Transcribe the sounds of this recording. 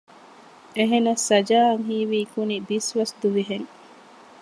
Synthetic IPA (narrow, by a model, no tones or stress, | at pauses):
eɦenɐsːɐd͡ʒaːɐŋɦiːʋikunibisʋɐsd̪uʋiɦeŋ